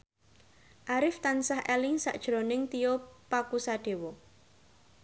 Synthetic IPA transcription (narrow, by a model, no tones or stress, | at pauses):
ʔaɾɪft̪ansahʔɛlɪŋsa̰ʔd̥ʒ̥ɾonɪŋt̪ijopakusaɖ̥e̤wɔ